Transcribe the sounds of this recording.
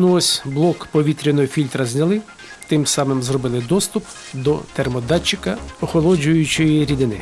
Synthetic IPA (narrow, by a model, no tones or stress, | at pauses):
nʊɔsʲblˠɔkpɔʋʲit̪ɾʲinɔjʊfʲilʲt̪ɾɐzʲnʲɐlˠɪ | t̪ɪmsɑmɪmzrɔbɪlˠɪd̪ɔst̪ʊp | d̪ɔ̰t̪ermɔd̪ɑt͡ʃːɪkɐɔxɔlˠɔd͡ʒʊjʊt͡ʃɔjiɾʲid̪ɪnɪ̰